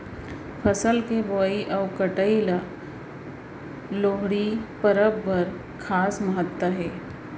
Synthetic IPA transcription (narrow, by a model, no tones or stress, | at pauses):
pʰəsəlkeboːiʔɔːʋkəʈəila | loːɦɽipəɾəbːɐɾ | kʰaːsməɦət̪wəɦɛː